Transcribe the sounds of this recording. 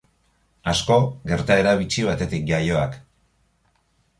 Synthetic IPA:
asko̞ɡe̞ɾt̪ae̞ɾaβ̞it͡ʃiβat̪e̞t̪ik̚ɡajo̞ak

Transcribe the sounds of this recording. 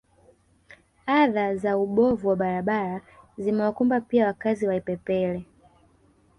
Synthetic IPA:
aðazauɓɔvuwaɓaɾaɓaɾazimɛwakumbapiawakaziwaipɛpɛlɛ

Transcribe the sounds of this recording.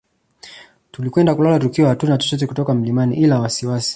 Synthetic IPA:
tulikwɛndakulalatukiɔhatunaat͡ʃɔt͡ʃɔt̬ɛkutɔkam̩limaniʔilawasiwasi̥

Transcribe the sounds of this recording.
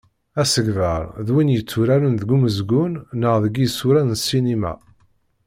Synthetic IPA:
æsəɡvəɾˤðwinjət͡sːuɾæɾənðəɡuməzɡʊnːəʁðəɡisuɾænnsinimæ̰

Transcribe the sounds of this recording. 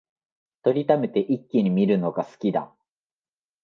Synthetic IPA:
t̪o̞ɾʲit̪ame̞t̪e̞ʔikʲːiɲ̟imʲiɾɯ̟no̞ɡasɨ̥kʲid̪a̰

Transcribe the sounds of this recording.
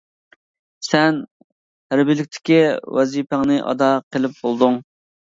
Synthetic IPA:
sɛn | hæɾbɪlɪkʲt̪ʰɪ̥kʲiwɛzipæŋnɨʔɑ̰d̪ɑqʰəlˠɪp̚bolˠd̪uŋ

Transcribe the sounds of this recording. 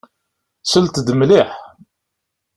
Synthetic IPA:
səlt̪d̪mliħ

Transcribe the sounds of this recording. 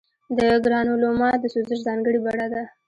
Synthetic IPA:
d̪əɡɾɑnulomɑt̪̚d̪əsuzɪʃzɑŋɡəɽibaɽad̪a

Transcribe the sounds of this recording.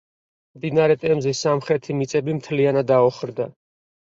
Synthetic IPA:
md̪inaɾɛt̪ʼɛmzisamχɾɛt̪ʰimit̪sʼɛbimt̪ʰlianad̪aɔχɾd̪a

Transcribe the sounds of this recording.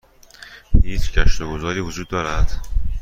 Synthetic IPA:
hiːt͡ʃcʰæʃt̪oɡozɒːɾiːvod͡ʒuːd̪ːɒːɾæd̪̥

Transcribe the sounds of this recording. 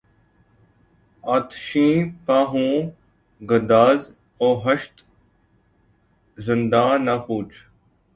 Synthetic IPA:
aːt̪ʃĩːpaːɦũː | ɡəd̪aːz | oːɦəʃt̪ | zɪnd̪ãːnakuːt͡ʃ

